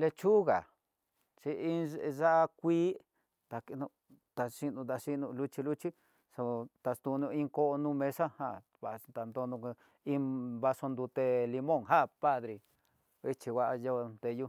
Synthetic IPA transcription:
le˧t͡ʃu˦ɣa˨ | t͡ʃi˧i˦˧ʐa˦ʔa˧kʷiː˦ | t̪a˨ki˧nũ˧ | t̪a˧ʂi˦nũ˧t̪a˧ʂi˦nũ˧lu˦˧t͡ʃi˧lu˦t͡ʃi˦ | so˧t̪a˧st̪u˧nũ˧ĩ˦ŋko˦ʔnũ˦˧mẽ˧sa˦ha˧ | βa˧˨˧t̪a˧nd̪o˧nũ˧ | ĩ˦βa˧so˧nd̪u˧t̪e˧li˧mõ˦˨ŋɦa˦˨pa˦˧ðɾi˧ | i˦t͡ʃi˧wa˧ʔa˧jo˧nt̪e˧ju˦

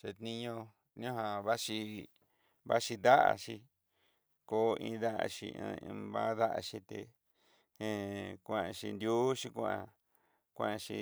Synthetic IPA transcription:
t͡ʃe˧t̪nĩ˧ɲõ˧ | nĩ˦õ˦ɦa˧βa˦ʃi˧ | βa̰˦ʃi˧d̪a˦ʔa̰˨ʃi˧ | ko˧ʔĩ˧ða˦ʔa̰˧ʃḭ˧ã˧βa˦ða˦ʔa̰˧ʃĩ˧t̪e˨ | e˨˧kʷã˨ã˧˨ʃi˧nd̪ʲju˦ʃi˧kʷã˦ã̰˧ | kʷã˦˨˧ʃḭ˧

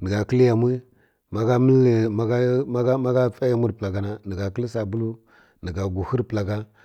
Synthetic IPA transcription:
nə˨ɡa˨kə˦lja˨m˦i˦ | ma˦ɡa˦mi˦e˨ma˦ɡɡma˦ɡa˦fa˦ja˦mu˦ɾpla˨ɡa˨na˦nə˨ɡa˨ki˦lsa˨bu˦lu˦ | nə˨ɡa˨ɡu˨hu˦ɾpla˨ɡa˦

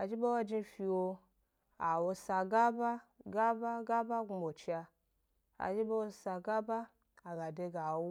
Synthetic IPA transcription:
a̰˨d͡ʒi˦bo˦wo˦d͡ʒi˧fi˧wo˧ | a˨wo˧sa˧ɡa˦ba˦ɡa˦ba˦ɡa˦ba˦ɡu˧bo˨t͡ʃi˦a˧ | a̰˨d͡ʒi˦bo˦wo˧sa˧ɡa˦ba˦ | a˨ɡa˨de˧ɡa˨wo˦

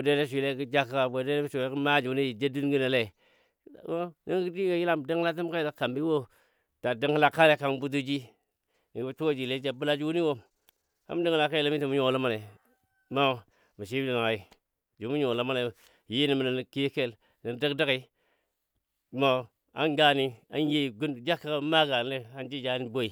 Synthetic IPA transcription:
wo˨de˦de˦ʃ̬ʷi˨le˦ki˦d͡ʒa˦ka˨bo˨de˦e˦ʃʷi˨le˦kə˦ma˦d͡ʒu˨˦ni˦ji˨d͡ʒe˦du˦nɡi˦ne˨le˦˨˦ | o˦ni˦ki˦di˦ɡo˨ji˦la˦m˨di˦ŋla˦t̬i˦mka˦i˦la˨ka˨mbi˦wo˦ | ta˨di˦ŋ˦la˦ka˦le˨ka˦ŋbu˦t̬u˦d͡ʒi˦ | n˨˦t͡ʃo˦d͡ʒi˨le˦d͡ʒa˨bu˦la˦d͡ʒu˦ni˦wo˦ | a̰˦m˦di˦ŋla˦˨ka˦i˨le˦mi˦ti˨mu˦ɲo˨la˦ma˦ne˨ | ma˦˨ | mi˨ʃ̬i˦di˨na˨ŋa˨i˨ | d͡ʒu˨˦mu˦ɲo˨lo˦ma˦ne˨ | ji˦ni˨mi˨na˨n˨ki˦ke˦˨l | ni˨˦də˦kdə˦ki˨˦ | ma˨ | a˦nɡa˦ni˦a̰˦nje˦i˨ɡu˦n˨d͡ʒa˦ka˦kma˦ɡa˨n˦e˦a˦nd͡ʒi˦d͡ʒa˦ni˦bo˦i˨

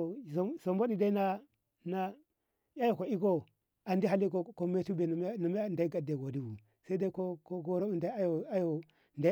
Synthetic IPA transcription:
o˨zo˨mbo˦di˨da˦i˦na˦ | na˦ | ja˦jo˨ko˨i˦ɡo˦ | a˨ndi˦ɦa˦li˦ko˦ko˦me˦tu˦be˨˦na˨mi˦˨da˨i˦ɡa˨de˨ɡo˨di˦wu˨ | sa˦da˦i˦ko˦ko˦ɡo˦ɾo˦u˨nda˦a˦jo˨a˦jo˨ | nda˦

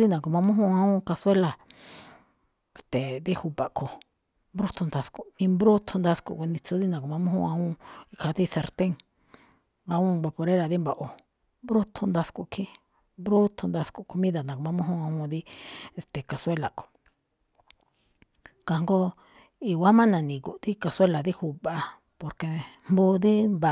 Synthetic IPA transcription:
ði˦nã˨ko˨mã˧mũ˦ɦũ˦˧ã˧ũ˦˧ka˧swe˦la˧ | e˨st̪e˨d̪i˦hu˧pa˨ʔkʰo˨ | mbɾu˦t̪ʰo˧nd̪a˧sku˧˨mĩ˧mbɾu˦t̪ʰo˧nd̪a˧skṵ˨ku˧nĩ˧t͡su˧˦ði˦nã˨ko˨mã˧mũ˦ɦṵ̃˧ã˧˦ũ˦˧i˧kʰa˧d̪i˦˧se˧ɾt̪ẽ˦ŋ | ã˧ũ˦˧ba˧po˧ɾe˦ɾa˧˨ði˦mba˧ʔo˧ | mbɾu˦t̪ʰu˧nd̪a˧sku˧˨kʰi˦ | mbɾu˦t̪ʰo˧nd̪a˧sku˧ku˧mĩ˦ða˧˨nã˨ko˧mã˧mũ˦ɦũ˦ã˧ũ˧ði˦e˨st̪e˨ka˨swe˦la˨ko̥˨ | ka˧ŋɡo˦ | i˧wa˦mã˦nã˨nĩ˨ku˨ʔd̪i˦ka˧swe˦la˨ði˦hu˧˨βa˧ | po˨ɾke˧˨mbu˧d̪i˦mba˨

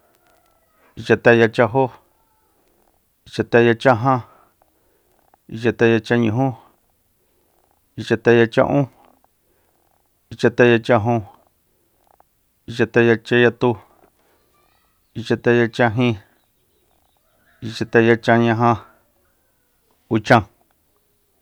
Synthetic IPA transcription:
i˧t͡ʃa˧t̪a˦˧ja˧t͡ʃa˧ɦo˦ | i˧t͡ʃa˧t̪a˧˦ja˧t͡ʃã˦ɦã˦ | i˧t͡ʃa˧t̪a˦˧ja˧t͡ʃa˦˧ɲũ˨ɦũ˦ | i˧t͡ʃa˧t̪a˧ja˧t͡ʃã̰˧ʔũ˦ | i˧t͡ʃa˧t̪a˧ja˧t͡ʃã˧ɦũ˧ | i˧t͡ʃa˧t̪a˧ja˧t͡ʃa˧ja˧t̪u˧ | i˧t͡ʃa˧t̪a˧ja˧t͡ʃã˧ɦĩ˦˧ | i˧t͡ʃa˧t̪a˧ja˧t͡ʃã˧ɲã˧ɦã˧ | u˧t͡ʃã˧

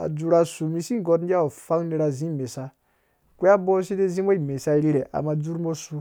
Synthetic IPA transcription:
a̰˨d͡zu˨ɾa˨su˨mi˧si˦ŋ˨ɡo˧tn˦d͡ʒʲa˦o˨fa˦ŋni˦ɾa˨zĩ˦˨me˨sa˦ | ku˦a˦bo˦si˦de˦zi˦mo˦i˨me˨sa˦ɾi˦ɾe˨ʔa̰˨ma˨d͡zu˦ɾmo˦su˨

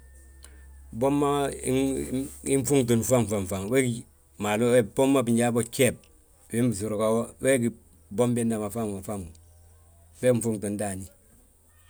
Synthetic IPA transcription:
bo˦mːa̰˦ | i˦ɱ˦fu˦ŋto˨n˨fa˦m˨fa˨ɱ˨fa˨ŋwe˦˨ | ma˨lo˦bo˦mːa˦bi˨ɲd͡ʒa˦bo˦t͡ʃe˦˨p̚ | we˦m˦bi˨su˨ɾo˨ka˨wo˦wɛ˦ki˨ | bo˦mbe˦nda˨ma˨fa˦˨ŋa˨fa˦˨m˨ | be˦ɱ̩˦fu˦ŋto˨n˦da˨ni˨

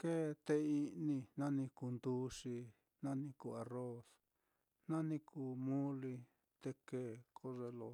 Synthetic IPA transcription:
ke˦t̪e˧i˦˧nĩ˧nã˦nĩ˧ku˧nd̪u˦ʂi˧ | nã˦nĩ˧ku˧˨a˨ro˦s | nã˦nĩ˦kʰuː˨˧mũ˦li˧ | t̪e˧ke˦˨kʰo˦ʐe˧lo̰˧

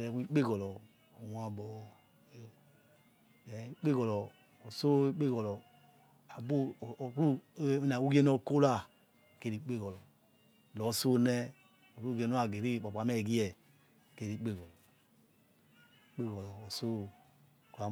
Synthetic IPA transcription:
ɾɛ˨˦i˦k͡pe˦˨ɡɔ˨lɔ˨ | wa˨bɔ˨ | ɛ˨i˦k͡pe˦˨ɡɔ˨lɔ˨ | o˨so˦i˦k͡pe˦ɡɔ˨lɔ˨ | a˨bu˦˨ku˦i˦na˨u˦ɡe˦no˦˧˨ko˦la˦˨ | ke˧ɾi˨˦k͡pe˦˨ɡɔ˨lɔ˨ | lɔ˨˦so˦nɛ˧ | o˨ɾu˦ɡe˧˦no˦a˨ɡe˨ɾi˦˨bɔ˨ba˨˦mɛ˦˨ɡi˦ɛ˨ | ke˨˧ɾi˨˦k͡pe˦˨ɡɔ˨lɔ˨ | k͡pe˦˨ɡɔ˨lɔ˨o˨so˦ | ka˨˦

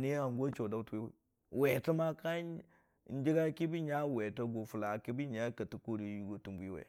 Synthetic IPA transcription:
ni˦a˨ŋɡo˦t͡ʃo˨da˦u˦tu˦we˦w | we˨ti˦ma˦ka˦ | n˦d͡ʒi˦ɡa˦ki˦bi˦ɲa˦we˨to˦ɡo˨fu˨la˨ki˦bi˦ɲa˦ka˨ti˦ko˦di˨˦ju˦ɡo˨tu˨mbu˨˦i˦wḛ˨

